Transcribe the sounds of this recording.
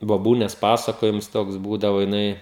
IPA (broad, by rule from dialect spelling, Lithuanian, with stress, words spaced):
boːˈbuːnʲeːs pɐsɐkoːjɪms ˈtoːks ˈbuːdɐʋoː jɪˈnɐɪ